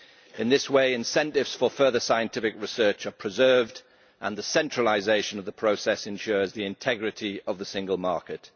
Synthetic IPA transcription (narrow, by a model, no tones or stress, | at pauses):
ɪ̃nðɪsweɪɪ̃nsɛ̃ntɪvz̥fəfɜːðəsaɪə̃ntʰɪfɪkɹɪsɜˑt͡ʃəpʰɹ̥ɪzɜːvd | ʔə̃nðəsɛ̃nt͡ʃɹ̥əlɪzeɪʃə̃nəvðəpʰɹ̥oʊsɛsɨ̃nʃʊːɹzðiɪ̃ntʰɛɡɹɪtʰiəvðəsɪ̃ŋɡəlˠmɑˑɹkɪt